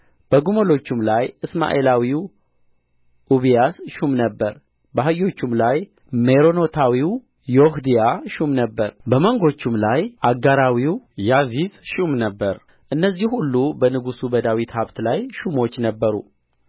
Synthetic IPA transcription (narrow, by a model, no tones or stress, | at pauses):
b̥əɡumolo̞t͡ʃːumlajʔɨsma̰ʔelawiw | ʔuβijasʃumnəbːəɾ | bəɦajːo̞t͡ʃːumlaj | meɾo̞no̞t̪ʰawiw | johd̪ijaʃumnəbːəɾbəməŋɡo̞t͡ʃːumlajʔaɡaɾawiwjazizʃumnəbːəɾ | ʔɨnːəzːihhulːubənɨɡusubəd̪awit̪haβt̪lajʃumo̞t͡ʃːnəbːəɾṵ